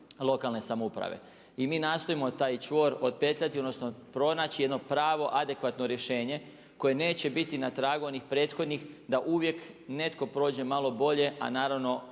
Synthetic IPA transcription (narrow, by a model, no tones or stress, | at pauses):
lˠo̞kalˠne̞samoupɾa̰ʋḛ | imiːnaːst̪o̞imo̞t̪aːjt͡ʃʋo̞ːɾo̞t̪̚pe̞t̪ʎat̪io̞d̪nosnopɾo̞naːt͡ɕijed̪nopɾaːʋo̞ʔad̪e̞kʋat̪no̞ɾje̞ʃe̞ːɲe̞ | ko̞je̞ne̞ːt͡ɕe̞bit̪inat̪ɾaːɡuonixpɾe̞ːt̪xo̞d̪nixd̪aʔuʋje̞kne̞t̪ko̞pɾo̞ːd͡ʑe̞malo̞bo̞ʎe̞a̰naːɾaʋno̞